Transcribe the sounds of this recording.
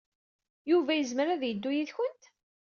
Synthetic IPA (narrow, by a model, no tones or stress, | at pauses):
juvæjəzmɾæðjəd̪ːujiðçʊnt̪